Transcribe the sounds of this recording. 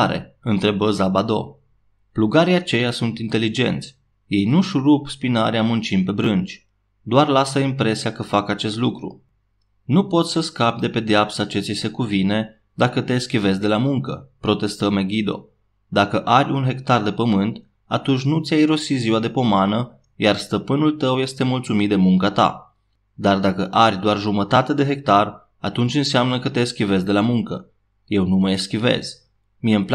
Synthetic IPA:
aɾḛɨnt̪ɾe̞bəzabad̪o̞̰ | pluɡaɾiat͡ʃe̞jasunt̪int̪e̞lid͡ʒe̞̰nt̪sʲ | je̞jnuʃuɾupspinaɾeamunt͡ʃimpe̞bɾɨnd͡ʒʲ | d̪oarlasəimpɾe̞siakəfakat͡ʃe̞st̪lukɾṵ | nupo̞t̪sʲsəskap̚d̪e̞pe̞d̪eapsat͡ʃe̞t̪sisekuvine̞ | d̪akət̪eskʲive̞z̬d̪e̞lamuŋkəpɾo̞t̪e̞st̪əmeɡʲid̪o̞̰ | d̪akəʔaɾʲunɦe̞kt̪ard̪e̞pəmɨnt̪ | a̰t̪unt͡ʃʲnut̪sʲjajɾo̞siziwad̪e̞po̞manə | jarst̪əpɨnult̪əwje̞st̪e̞mult̪sumit̪̚d̪e̞muŋkat̪a̰ | d̪ard̪akəʔarʲd̪oarʒumət̪at̪e̞d̪e̞ɦe̞k̚t̪ar | a̰t̪unt͡ʃʲɨnseamnəkət̪e̞skʲive̞zd̪e̞lamuŋkə | je̞wnuməjeskʲive̞̰z̥ | mijeɨmp

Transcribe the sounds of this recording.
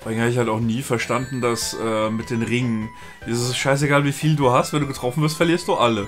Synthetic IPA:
ɔːʁɪɡŋhaːbəɪçhaltaʊxniːfɛɐʃtandn̩dasʔɛːmɪt̚d̥eːnʁɪŋən | d̥isʃaɪs̬eɡaːlviːfiːlduːhastv̥ɛnduɡətʁ̥ɔfn̩vɪɐstfɛɐliːɐst̚d̥uːʔalə

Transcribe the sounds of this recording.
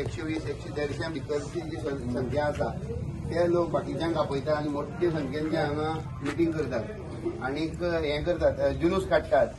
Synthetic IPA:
ekɕeʋisekɕed̪ʱəɽt͡ɕjãbik̪əɾt͡ɕid͡ʑiəsə̃ŋkʰjãəsat̪alokbakid͡ʑãŋkapojt̪aːnimoʈːẽsə̃ŋkʰãnt͡ɕãaŋã | lupĩŋɡkəɾt̪at̪̚ | anikɦɛ̃kəɾt̪at̪d͡ʑunuskʰaʈt̪at̪̚

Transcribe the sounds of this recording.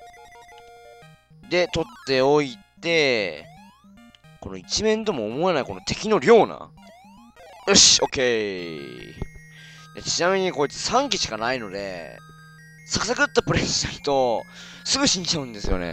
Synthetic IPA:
d̪e̞t̪o̞t̪ːe̞o̞it̪e̞ | ko̞no̞it͡ɕimẽ̞nt̪o̞mo̞ːmoanaiko̞not̪e̞̥kʲino̞ɾʲo̞ːna̰ | ɯɕo̞ke̞ | d̪ḛt͡ɕinamʲiɲ̟iko̞it͡sɨ̥sãŋkʲiɕi̥kanaino̞d̪e̞̰ | sakɯ̟sakɯt̪ːapɯ̟ɾesɕinait̪o̞ | sɨɡɯ̟ɕĩɲt͡ɕaɯ̟̃nd̪e̞sɨjo̞̰nḛ

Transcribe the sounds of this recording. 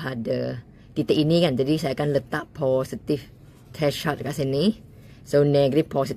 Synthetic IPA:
adə | t̪it̪əʔinikãnd͡ʒadisajakãnlət̪aʔ̚pʰɔsit̪if | t̪ʰɛʃat̚kaʔsani | sonɛɡəɾipʰɔsit

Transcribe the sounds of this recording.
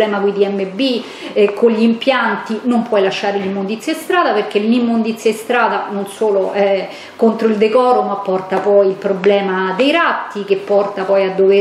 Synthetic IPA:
lɛːmakuid̪iɛmːebi | koʎːimpjant̪inompwɔjlaʃːaːɾelimːond̪it̪sjaest̪ɾaːd̪aperk̟elːimːond̪it̪sːjaest̪ɾaːd̪anonsoːloʔɛ | kont̪ɾoild̪ekɔːɾomapːɔrt̪apɔjilpɾoblɛːmad̪ejɾat̪ːik̟epːɔrt̪apɔjad̪ːove

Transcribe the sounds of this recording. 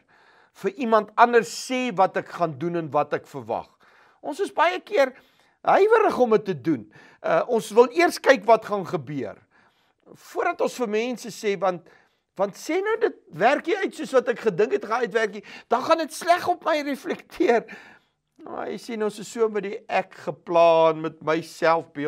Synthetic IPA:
fəʔimɐntɐndərsːeːvɐtɛkχɑndunənvɐtɛkfərvɐ̰χ | ʔɔ̃nsəsbɐjəkiər | ɦəjvəɾəχɔmətːədun | əʔɔnsvəlˠiərskɛjkvɐtχɑnχəbyər | fuərdɐtɔ̃nsfərmɛ̃ːnsəseːvɐnt̚ | vɐntseːnəwdət̚værkiœɥtsuəsvɐtɛkχədəŋkətχɑnœɥtværkid̥ɑχɐnətslæχɔpməjrɛflɛktʰiər | o̰ə̰jsenɔ̃nsəssːuəmədiʔækχəplɑːnmət̚məjsælˠfbi

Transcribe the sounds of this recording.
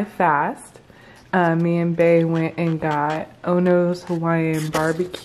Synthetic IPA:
ɪfæst̚ | ʌmiɨ̃nbeɪwɛ̃ntɨ̃nɡɑt̚ʔõʊ̃noʊz̥həwaɪɨ̃nbɑɹbɨkʰ

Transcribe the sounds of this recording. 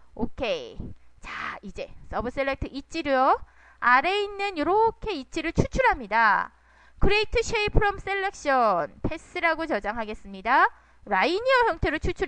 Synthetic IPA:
okʰe̞t͡ɕaid͡ʑe̞s͈ʌbɯs͈eɭːe̞k̚tʰɯʔit͡ɕ͈iɾujʌ | aɾe̞inːɯnjʌɾʌkʰe̞it͡ɕ͈iɾɯɭt͡ɕʰut͡ɕʰuɾɦamɲida | kɯɾeik̚tʰɯɕʰeipʰɯɾʌms͈e̞ɭːe̞k̚ɕ͈ʌnpʰe̞s͈ɯɾaɡot͡ɕʌd͡ʑaŋɦaɡe̞s͈ɯmɲida | ɾaiɲiʌçjʌŋtʰe̞ɾoɭt͡ɕʰut͡ɕʰu

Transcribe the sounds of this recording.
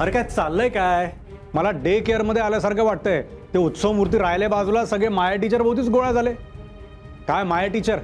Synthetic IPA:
əɾekajt͡salːəjkajj | məlaɖekejəɾməd̪ʱːjealjasaɾkʰaʋaʈ̚t̪əjt̪eut̪səʋmuɾt̪̬iːɾajlebad͡zulasəɡɭemajaʈit͡ɕəɾbʱəwt̪̬iːt͡sɡoɭad͡zale | kajmajaʈit͡ɕəɾ

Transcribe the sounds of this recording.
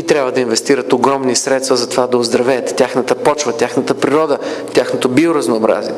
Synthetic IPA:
it̪ɾʲabvəd̪ɐinvɛst̪iɾət̪oɡɾɔmnisɾɛt̪st̪vɐzɐt̪ovad̪ɐʊzd̪ɾɐvɛːt̪tʲaxnət̪əpɔt͡ʃvət̪ʲjaxnət̪əpɾiɾɔd̪ət̪ʲaxnot̪obioɾɐznoːbɾa̰ziɛ

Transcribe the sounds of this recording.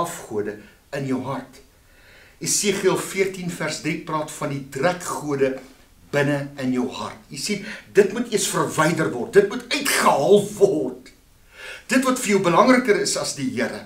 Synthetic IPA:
ɐfχuədə | ənjəwɦɐrt | esiːχiəlˠfiərtinfærsdriprɑːtfɐnditrækχuədə | b̥ənəənjəwɦɐ̰rtjisindətmutiəsfərvɛjdərvɔrt̚dətmutœɥtχəɦɑːlˠvɔrt | d̥ətvɐtfərjəwbəlɐŋrəkəɾəsɐsdiɦiəɾə̰

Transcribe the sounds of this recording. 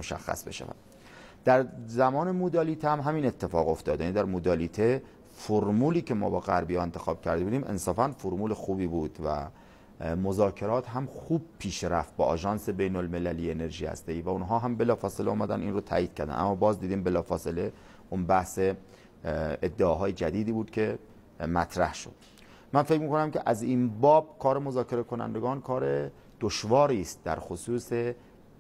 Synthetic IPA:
moʃæ̰xːæ̰sbe̞̰ʃæ̰væ̰d̪̥ | d̪̥æɾzæmɒːne̞mod̪ɒːliːt̪ʰehæmɦæmiːne̞t̪ʰːe̞fɒːɣo̞ft̪ɒːd̪jæniːd̪æɾmod̪ɒːlit̪ʰe | foɾmuːliːcʰe̞mɒ̰ːbɒːɣæɾbijɒːe̞nt̪ʰe̞xɒːb̥cʰæɾd̪ebuːd̪iːme̞̰nsɒːfænfoɾmuːlexuːbiːbuːd̪̥væ̰ | mozɒːcʰe̞ɾɒːt̪ɦæmxuːb̥̚pʰiːʃɾæft̪̚bɒ̰ːʔɒ̰ːʒɒːnse̞bejnolme̞lælijeːneɾʒiːhæ̰st̪ejiːvæunɦɒːɦæmbe̞lɒːfɒːseleɒːmæd̪æ̰ninrot̪ʰæ̰ːjiːd̪̥̚cʰæɾd̪æ̰nʔæ̰mːɒːbɒːzd̪iːd̪iːmbe̞lɒːfɒːse̞le̞ | unbæhse | ed̪ːeɒːɦɒːjed͡ʒæd̪iːd̪iːbuːd̪̚kʰe̞ | mæt̪ʰɾæhʃo̰d̪̥ | mænfe̞cmiːkonæmceʔæziːnbɒːb̥̚kʰɒːɾe̞mo̞zɒːcʰe̞ɾekʰo̞næ̰nd̪e̞ɡɒːnkʰɒːɾe̞ | d̪̥oʃvɒːɾiːst̪̚d̪æ̰ɾxosuːse

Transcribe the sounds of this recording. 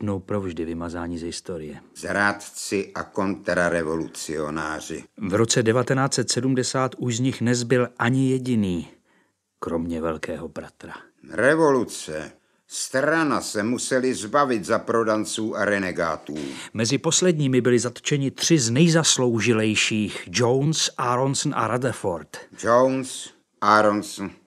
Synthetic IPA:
dnowpɾo̞vʒdɪvɪmazaːɲiːzɦɪst̪o̞ɾɪ̰jɛzɾaːt̪t͡sɪʔa̰ko̞nt̪ɾaɾɛvolut͡sɪonaːr̝ɪ̰vɾo̞t͡sɛdɛvat̪ɛnaːt͡sɛt̪sɛdumdɛsaːt̪uʃzɲɪxnɛzbɪlʔaɲɪjɛɟɪniː | kɾo̞mɲɛvɛlkɛːɦo̞bɾat̪ɾa | rɛvo̞lut͡sɛ | st̪ɾanasɛmusɛlɪzbavɪt̪zapɾodant͡suːʔaɾɛnɛɡa̰ːt̪uːmɛzɪpo̞slɛdɲiːmɪbɪlɪzat̪o̥t͡ʃɛɲɪt̪r̝̥ɪznɛjzaslo̞wʒɪlɛjʃiːxd͡ʒownsʔaɾonsn̩ʔa̰ɾadɛfoɾt̪d͡ʒowns | ʔaɾonsn̩

